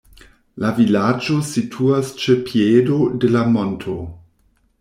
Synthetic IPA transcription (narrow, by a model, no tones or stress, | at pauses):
lavilad͡ʒo̞sitʰuast͡ʃepʰiedodelamo̞ntʰo